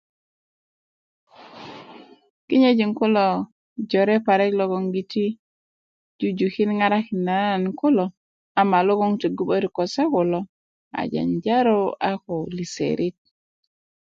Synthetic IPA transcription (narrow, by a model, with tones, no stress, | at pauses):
ki˦ɲe˦d͡ʒi˨ŋku˦lo˨ | d͡ʒo˨ɾe˦pa˨ɾe˦klo˦ɡo˨ŋɡi˨ti˦ | d͡ʒu˦d͡ʒu˨ki˦nŋa˦ɾa˦ki˨nːa˨˦a˨nku˦lɔ˨ | a˨ma˨lo˦ɡo˦ŋte˨ɡu˦ɓo˦ɾi˨ko˨se˦ku˨lo˦ | a̰˨d͡ʒa̰˨nd͡ʒa˦ɾo˦a˦ko˨li˨sḛ˨ɾʔi˦t̚